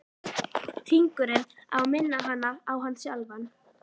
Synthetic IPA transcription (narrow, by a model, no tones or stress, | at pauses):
t̪ʰiŋkʏɾɪna̰ðmɪnːaɦanːaawɦanːsjalvan